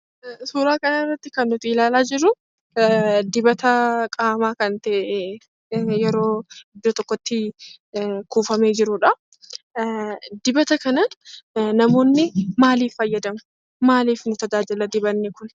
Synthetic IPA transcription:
suːɾaːkɐnɐrːɐt̪ːɪkɐnːʊt̪ɪɪlaːlaːd͡ʒɪɾʊ | d̪ɪbɐt̪ɐkʼaːmaːkɐnt̪ɛʔe | jɛɾo̞ːɪd̪ːoːt̪ɔkːɔt̪ːɪ | kuːfɐmeːd͡ʒɪɾʊᶑɐ | d̪ɪbɐt̪ɐkɐnɐnɐmo̞ːnːɪmaːliːfːɐjːɐd̪ɐmʊ̥ | maːliːfnʊt̪ɐd͡ʒaːd͡ʒɪlɐd̪ɪbɐnːɪkʊn

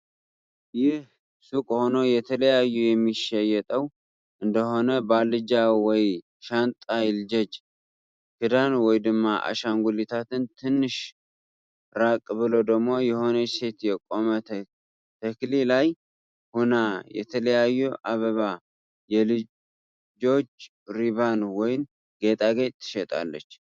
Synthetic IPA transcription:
jɪh | sukʼho̞no̞jɛt̪ʰələjajːujɛmːiʃɛjɛt̪ʼəw | ʔɨnd̪əho̞nəbalːɨd͡ʒawɔj | ʃant̪ʼajɪld͡ʒɛd͡ʒ | kʰɨd̪anwɔjd̪ɨmːaʔa̰ʃaŋɡʷulit̪ʰat̪ɨnt̪ʰɨnːɨʃ | ɾakʼbɨlod̪əɡmo̞jɛho̞nəse̞t̪jɛkʼo̞mət̪ʰ | t̪ʰəklilaj | hunajɛ̰t̪ʰələjajːuʔaβəβa | jɛlɨ | d͡ʒo̞t͡ʃː | ɾiβanwɔjn | ɡe̞t̪ʼaɡet͡ʃt̪ʰːɨ̥ʃɛt̪ʼa̰lːət͡ʃː

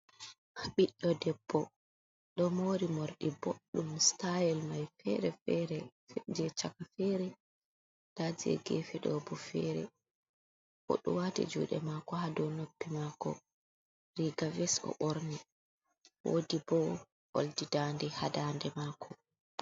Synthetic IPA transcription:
hɓiɗːɔdɛbːɔ | ɗɔmoːɾimoɾɗiboɗːumstajɛlmajfɛ̰ɾɛfɛɾɛd͡ʒɛt͡ʃakafɛɾɛ | d̥ad͡ʒiɛ̰ɡḛfɛɗɔbɔfɛɾɛ̰ | ʔɔ̰ɗṵwatɛ̰d͡ʒṵːɗɛ̰makɔhadɔnopːimakɔ̰ | ɾiɡavɛsɔ̰ʔoɾni | wʔo̰ːdibɔ | ʔo̰ldidandɛhadaːndɛmaːkʰɔ

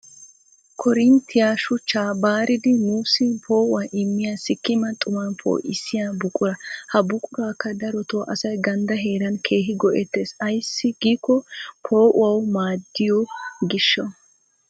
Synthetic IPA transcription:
kʰɔɾɪnt̪ʰːɪjaːʃʊt͡ʃːaːbaːɾɪd̪ɪnuːsɪpʰo̞ːʔʊɐʔɪmːɪjaːsɪkːɪmɐt̪ʼʊmɐnpʰo̰ːʔɪsɪjaːbʊkʼʊɾɐhɐbʊkʼʊɾaːkːɐd̪ɐɾɔt̪oːʔɐsɐjɡɐnd̪ɐɦe̞ːɾɐnkʰe̞ːɦɪɡɔʔɛt̪ːe̞ːsɐjsːɪɡiːkːɔpʰo̞ːʔʊɐwmaːd̪ːɪjɔɡɪʃːɐ

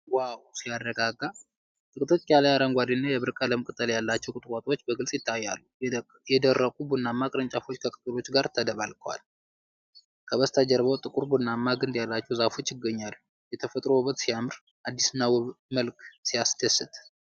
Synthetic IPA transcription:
wawsijaɾəɡaɡa | t̪ʼɨkʼt̪ʰo̞t͡ʃːjalajaɾəŋɡʷad̪inːajɛβɨɾkʼaləmkʼɨt̪ʼəljalːat͡ʃːɛwkʼɨt̪ʼkʷʼat̪ʼwo̞t͡ʃːbəɡɨlsʼjɪt̪ʰːajːa̰lːu | jɛd̪ərːəkʼubunːamːakʼɨɾɨnt͡ʃʼafo̞t͡ʃːkʰəkʼɨt̪ʼulo̞t͡ʃːɡaɾt̪ʰəd̪əβalkʰəwa̰l | kʰəβəst̪ʰad͡ʒəɾβəwt̪ʼɨkʼuɾbunːamːaɡɨnd̪jalːat͡ʃːɛwzafo̞t͡ʃːɪɡːəɲːalːu | jɛt̪ʰəfət̪ʼɾoβət̪sijamɨɾ | ʔad̪ːisnawməlksijast̪ʰəsɨt̪ʼ

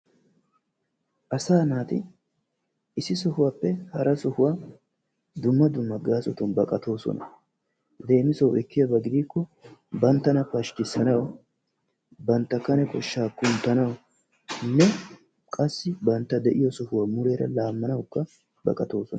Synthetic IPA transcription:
ʔɐsaːnaːt̪ɪ | ɪsɪsɔhʊwaːpːɛhɐɾʔɐsɔhʊwaː | d̪ʊmːɐd̪ʊmːɐɡaːsɔt̪ʊnbɐkʼɐt̪o̞ːsɔ̰nɐ̰ | d̪e̞ːmɪsɔwɛkːɪjɐbɐɡɪd̪iːkːɔbɐnt̪ːɐnɐpɐʃkɪsːɐnɐw | bɐnt̪ːɐkːɐnɛkɔʃːaːkːʊnt̪ːɐnɐw | nːɛ | kʼɐsːɪbɐnt̪ːɐd̪ɛʔɪjɔsɔhʊwaːmʊɾeːɾɐ̰laːmːɐnɐwkːɐ | bɐ̰kʼɐt̪o̞ːsɔnɐ

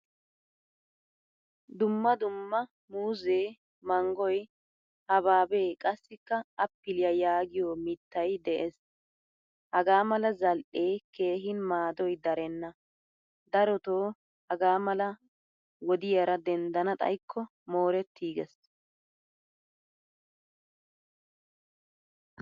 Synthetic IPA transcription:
d̪ʊmːɐd̪ʊmːɐ | muːze̞ː | mɐŋɡɔj | hɐβaːbe̞ːkʼɐsːɪkːɐɐpːɪlɪjɐjaːɡɪjoːmɪt̪ːɐjd̪ɛʔes | hɐɡaːmɐlɐzɐlʔe̞ːke̞ːɦɪnmaːd̪ɔjd̪ɐɾɛnːɐ | d̪ɐɾɔt̪oː | hɐɡaːmɐlɐ | wɔd̪ɪjɐɾɐd̪ɛnd̪ɐnɐt̪ʼɐ̰jkʰːɔ | moːɾɛt̪ːiːɡɛs

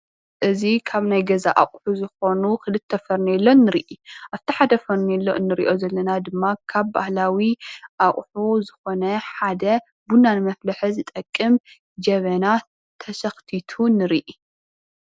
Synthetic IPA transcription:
ʔɨzikʰaβnajɡɐzaʔa̰kʼħuzɨxo̞nukɨlɨt̪ʰːɐfɐɾniɛlːo̞nːɨɾiʔiʔaβt̪ʰiħad̪ɐfɐɾnilːoʔɨnːɨɾḭʔo̞zɐlːɐnad̪ɨmːakʰaβba̰hlawiʔaχʼħuzɨxo̞nɐħad̪ɐ | bunanmɐflɐħɐzɨt̪ʼɐkʼːɨm | d͡ʒɐβɐna | t̪ʰɐsɐxt̪ʰit̪ʰunɨɾiʔi

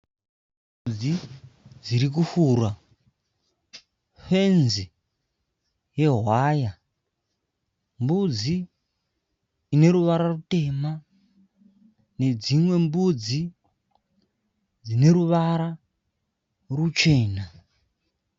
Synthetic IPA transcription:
m | ud͡zid͡ziɾik̬ufuːrwa | fenzi | je̞ɦwaja | mbud͡zi | ne̞ɾuʋaɾarute̞ma | ne̞d͡zimwe̞mbud͡zi | d͡zine̞ɾuʋaɾa | rut͡ʃe̞ːna

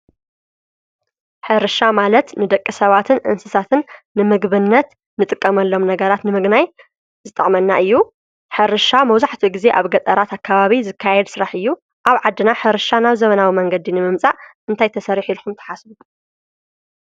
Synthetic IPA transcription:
ħɨɾɨʃamalɐt̪nɨd̪ɐkʼːisɐβat̪ʰɨnʔɨ̰nsɨsat̪ʰɨnː | ɨmɨɡβɨnːɐt̪ | nɨt̪ʼɨkʼːɐmɐlːo̞mnɐɡɐɾat̪nɨmɨɡnaj | zɨt̪ʼɐχʼmɐnːaʔɨjːu | ħɨɾɨʃamɐwzaħt̪ʰiɡize̞ʔaβɡɐt̪ʼɐɾat̪akʰːaβaβizɨkʰːajɛd̪sɨɾaħɨjːu | ʔaβʕad̪ːɨnaħɨɾɨʃanaβzɐmɐnawimɐŋɡɐd̪inɨmɨmt͡sʼaʔʔɨnt̪ʰajt̪ʰɐsɐɾiħilxumt̪ʰɐ̥ħasbu

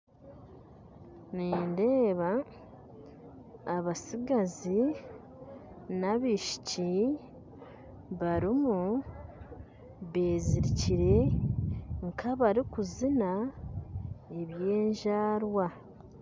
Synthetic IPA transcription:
niːnde̞ːβa | βasiɡazi | naβiʃi̥ci | βaɾimu | βe̞ːziɾiciɾe̞ | ŋkʰaβaɾikuzina | e̞βje̞ːɲʒaːɾwa

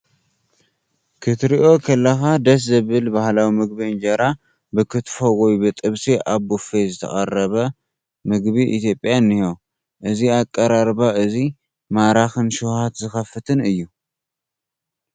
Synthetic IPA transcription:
kʰɨt̪ɾiʔo̞kʰɐlːɐxad̪ɐs̬zɨβɨlbahlawimɨɡbiɨnd͡ʒɐɾa | bɨkʰɨt̪fowɔjbɨt̪ʼɨβsiʔaβːufezɨt̪ʰɐ̰xʼɐrɐβɐ | mɨɡbiʔḭt̪jo̞pʼjanːiho̞ | ʔɨziakʼːɐɾaɾbaɨzi | maɾaxɨnʃuhat̪zɨxɐfɨt̪ʰɨnɨjːu

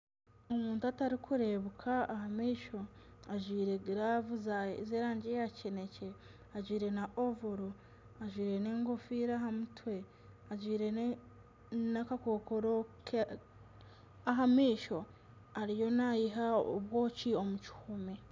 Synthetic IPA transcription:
omuːntuataɾikʰuɾe̞βukʰaːhamiːʃo̞aʒwiːɾe̞ɡiɾavuzazeːɾaːɲɟejacene̞ce̞ | aɟwiːɾe̞naʔovoɾo | aʒwiːɾe̞neːŋɡofiɾaɦamutwe̞ | aʒwiːɾe̞ | nakakokoɾok | aɦamiːʃo̞ | aɾijo̞najiɦao̰βwo̞ːcio̞muci̥humi

